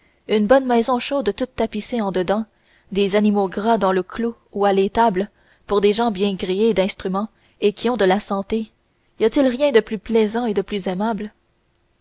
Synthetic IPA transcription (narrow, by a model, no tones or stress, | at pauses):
ynbɔnmɛzɔ̃ʃod̪t̪ut̪ːapiseɑ̃d̪əd̪ɑ̃ | d̪ezanimoɡʁad̪ɑ̃ləkʰlo | ualet̪abl | puʁd̪eʒɑ̃bjɛ̃ɡʁied̪ɛ̃st̪χymɑ̃ | ekʲiɔ̃d̪əlasɑ̃t̪e | ijat̪ɪlʁjɛ̃d̪əplyplɛzɑ̃ed̪əplyzɛmabl